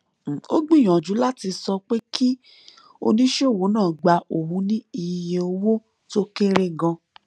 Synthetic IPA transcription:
o̰˦ɡ͡bĩ˦˨j̃ã˨d͡ʒu˨˦la˦ti˧sɔ˧k͡pe˦kʰi˦ | o̰˧nĩ˦ʃe˦o˦˨wo˨˦nãː˦˨ɡ͡ba˧o˨hũ˨˦nĩ˦i˧je˧o˧wo˦ | to˦ke˦ɾe˦ɡã˧

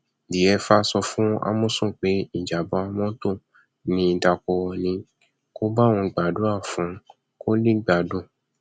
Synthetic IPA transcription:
di˨ɛ˧fa˦sɔ˧fũ˦a̰˧˦mũ˦sũ˦˨k͡pe˨˦i˦˨d͡ʒa˨bɔ̃˨˦˧mɔ̃˦tõ˦˨ | nĩ˧˦i˧da˧kɔ˧wɔ˧nĩ˧ | ko˦ba˦˨wɔ̃˧i˧˨ɡ͡ba˨do˨˦a˦˨fũ˨˦ | ko˦li˦ɡ͡ba˨dõ˦˨

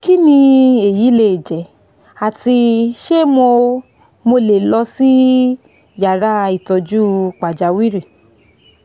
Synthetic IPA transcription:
ki˦nĩ˧e˨ji˨˦le˧˨d͡ʒɛ˨˦ | a˨ti˧ʃe˦mo˧ | mo˧le˨lɔ˧si˦ | ja˨ɾa˦˧i˨tɔ˧d͡ʒu˦k͡pa˨d͡ʒa˨˦wi˦ɾi˦˨

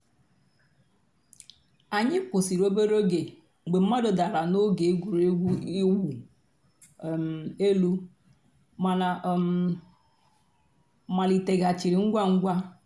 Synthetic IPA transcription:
a˨ɲɪ˦kʊ˨si˨ɾo˦be˦ɾo˦ɡe˨ | ɡ͡be˨m̩˦ma˦do˨da˨ɾa˨no˦ɡe˨˦ɡu˨ɾɡi˦wu˨ | me˦lu˦˨ | ma˨li˨te˨ɡa˨t͡ʃi˨ɾi˨ŋ̩˦ɡʷa˦ŋ̩˦ɡʷa˦

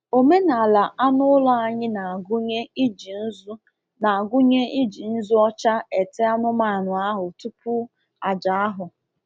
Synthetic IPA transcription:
o˨me˦na˨a˨la˨a˦nʊ˦lɔ˦a˨ɲɪ˦na˨ɡɲe˦i˦d͡ʒi˨n̩˦z | na˨a˨ɡʊ˦ɲe˦ʔi˦d͡ʒi˨n̩˦zu˦ɔ˦t͡ʃa˦e˨te˦a˦nʊ˦ma˨nʊ˨a˦ɦʊ˨tu˦pʊ˦ | a˨d͡ʒa˨a˦ɦʊ˨

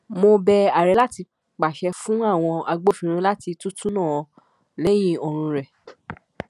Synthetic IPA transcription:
mo˧bɛ˧a˨ɾɛ˨˦la˦ti˧ | k͡pa˨ʃɛ˧fũ˦a˦˨w̃ɔ̃˧a˧ɡ͡bo˦fĩ˧ɾ̃ĩ˧la˦ti˧tũ˦tũ˦nãː˦˨˧ | lɛ˦jĩ˦˨ɔ˨˧ɾ̃ũ˧ɾɛ˨

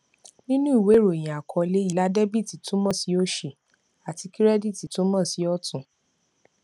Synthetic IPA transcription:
nĩ˦nũ˦i˦˨we˨˦ɾo˨j̃ĩ˨a˨kʰɔ˧le˦i˦˨la˨˦dɛ˦bi˦˨ti˨tũ˦mɔ̃˦˨si˨˦o˦ʃe˧˨ | a˨ti˧ki˦ɾɛ˦di˦˨ti˨tũ˦mã˦˨si˨˦ɔ˦tũ˨

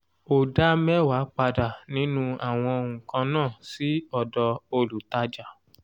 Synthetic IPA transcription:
o˨da˦mɛ˦wa˨˦k͡pa˧da˨nĩ˦nũ˦a˨w̃ɔ̃˧o˧hũ˨kã˧nãː˦˨si˨˦ɔ˦˨dɔ˧o˧lu˨ta˧d͡ʒa˨

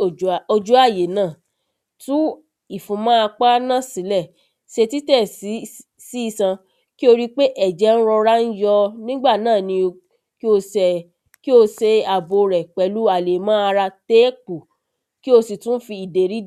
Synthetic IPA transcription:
o˨o˧d͡ʒu˦a˦˨je˨nãː˦˨ | tũ˦ | i˦˨fũ˨˧mã˦a˧k͡pa˦nã˦˨sĩ˨˦lɛ˦˨ | se˧ti˦tɛ˦˨si˨˦ | si˨˦i˦˧sã˧ | ki˦o˧ɾi˦k͡pe˦ʔɛ˦˨d͡ʒɛ˨˦n̩˦ɾɔ˧ɾa˦n̩˦jɔ˧nĩ˦ɡ͡ba˦˨nãː˦˨nĩ˧ | ki˦o˧sɛ˨ | ki˦o˧se˧a˨bo˧ɾɛ˨k͡pɛ˨˦lu˦a˨le˨mãː˦a˧ɾa˧te˦ku˨ | ki˦o˧si˨tũ˦fi˧i˨de˨ɾi˨˦

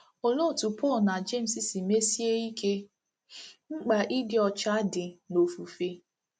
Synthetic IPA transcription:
o˨lo˦˨tu˨pɔ˦˨lna˨d͡ʒe˦˨m̩˨si˨si˨me˦si˦e˦i˦ke˦ | ŋ͡m̩˦k͡pa˨ʔi˦dɪ˨ɔ˨t͡ʃa˦dɪ˨no˨fu˨fe˦

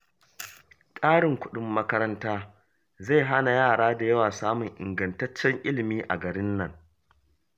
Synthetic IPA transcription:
tʼaː˦ɽɪ˨ŋkʷʊ˦ɗʊ˨mːɐ˦kɐ˦ɾɐ˦ntaː˦ | za˦˨jɦa˦na˨jaː˦˨ɽaː˦da˨jɐ˦waː˨saː˦mʊ˨ŋʔɪ˨ŋɡɐ˨ntɐ˦t͡ʃːɛ˦ŋʔɪ˦lɪ˨miː˦ʔa̰˨ɡɐ˨ɽɪ˦nːɐ˨ŋ

